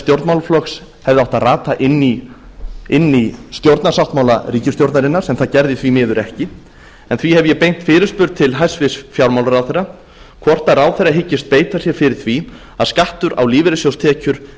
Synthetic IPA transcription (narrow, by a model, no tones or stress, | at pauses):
st̪jowɾt̪mawlaflɔks | hɛvðɪawht̪araːt̪aʔɪnːi | ɪnːist̪jowɾt̪nasawht̪mawlariːcɪst̪jowɾt̪naɾɪnːaɾ̥sɛmθaðcɛɾðɪθvimɪːðʏɾɛhcɪ | ɛnθvihɛvʏjɛpejn̥t̪fɪːɾɪɾ̥spʏɾt̪̚t̪ʰɪlɦajsvɪsfjawɾmawlaɾawθɛjrːa | kʰvɔr̥t̪aɾawθejrːaɦɪcːɪst̪̚peːjt̪asjɛɾ̥fɪɾɪɾ̥θvi | aðskaht̪ʏɾa̰wliːvɪɾɪsjowst̪ʰɛːcʏɾ̥